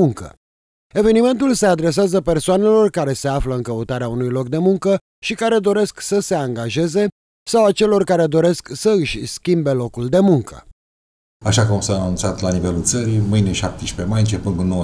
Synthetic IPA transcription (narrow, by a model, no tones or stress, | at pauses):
uŋkə̰ | e̞ve̞nime̞nt̪ulse̞ad̪ɾe̞s̬eazəpe̞rsoane̞lo̞rkaɾe̞se̞afləɨŋkəut̪aɾeaunujlo̞k̚d̪e̞muŋkə | ʃikaɾe̞d̪o̞ɾe̞sksəse̞aŋɡaʒe̞ze̞ | sawat͡ʃe̞lo̞rkaɾe̞d̪o̞ɾe̞sksəɨʃʲskʲimbe̞lo̞kuld̪e̞muŋkə̥̰ | aʃakəamsaːnũntsat̪lanive̞lult̪səɾimɨjnʲeʃap̚t̪eʃpe̞majɨnt͡ʃepɨnɡunːow